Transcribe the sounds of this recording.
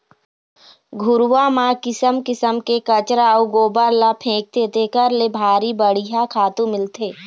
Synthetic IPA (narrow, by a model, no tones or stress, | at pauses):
ɡʱʊɾʋaːmãkɪsəmkɪsəmkekət͡ʃɾaːuɡoːbəɾlapʰẽːk̚t̪eːt̪ekəɾlebʱaːɾibəɽ̤iɦakʰaːt̪ũmɪlt̪ʰeː